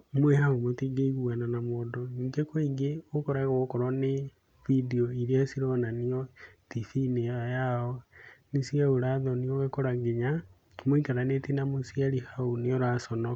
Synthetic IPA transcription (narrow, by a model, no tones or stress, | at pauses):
mwehaomotiɡeiɣuananamoːdɔniːŋɡekwoiŋɡeokoɾaɣokɔɾɔne | vidioiɾiasiɾɔnaniɔtifineajaɔnisiaoɾaðɔnioɣekoɾaɡeɲa | moikaɾanetinamosiaɾihaoneɔɾasɔnɔ